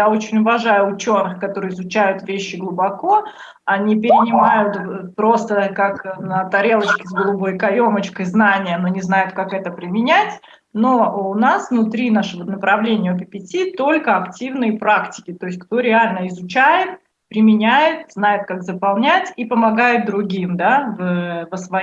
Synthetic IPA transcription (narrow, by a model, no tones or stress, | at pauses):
ao̞t͡ɕɪnʲʊvɐʐajʊːt͡ɕo̞nːɨxkɐt̪o̞ɾɨjɪzʊt͡ɕæjʊt̪vʲeɕːɪɡlˠʊbɐko | ɐnʲipʲɪɾʲɪnʲɪmajʊt̪pɾo̞st̪əkaknət̪ɐɾʲe̞lˠət͡ɕkʲɪzɡəlˠʊbo̞jkɐjo̞mət͡ɕkəjznanʲɪjəno̞nʲɪznajʊt̪̚kakɛt̪əpɾʲɪmʲɪnʲætʲ | no̞ʊnasvnʊt̪ɾʲinaʂɨvonəpɾɐvlʲenʲɪjəpʲɪpʲɪtʲit̪o̞lʲkəɐktʲivnɨjəpɾaktʲɪ̥kʲɪt̪o̞ɪsʲtʲkt̪o̞ɾʲɪalʲnəɪzʊt͡ɕæjɪt̪̚ | pɾʲɪmʲɪnʲæjɪt̪znajʊt̪̚kakzəpɐlˠnʲætʲipəmɐɡajʊt̪̚d̪ɾʊɡʲimd̪avvəsvɐ